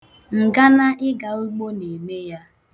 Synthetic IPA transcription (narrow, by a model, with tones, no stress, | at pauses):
ŋ̩˨ɡa˦na˦ʔɪ˦ɡa˨u˦ɡ͡bo˦ne˨me˦ja˦